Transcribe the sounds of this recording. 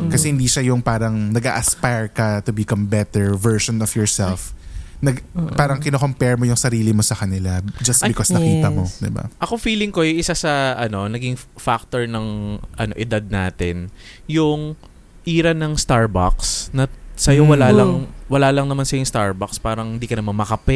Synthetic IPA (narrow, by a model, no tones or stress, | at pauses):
kɐsɛhɪnd̪iːʃajʊŋpaːɾɐŋnɐɡa̰ʔɐspajɹkɐt̪ʊbɪkɐmbɛt̪ɛɹvɛɹʃɔnɔfjɔɹsɛlfnɐɡpaːɾɐŋkɪnokompɛɹmo̞jʊŋsɐɾiːlɪmo̞sɐkɐnɪlad͡ʒɐst̪bɪkosnɐkiːt̪ɐmod̪ɪ̰ba̰ʔɐkofiːlɪŋko̞jʊŋʔɪsasɐʔɐno̞nɐɡɪŋfak̚t̪oɹnɐŋʔɐno̞ʔɪd̪ad̪̚na̰ːt̪ɪn | jʊŋ | ʔiːɾɐnɐŋst̪aɹba̰ksnɐsɐjowɐlaːlɐŋwɐlaːlɐŋnɐmansɐjoʊŋst̪aɹbakspaːɾɐŋhɪnd̪iːkɐnɐmɐnmɐkɐpɛ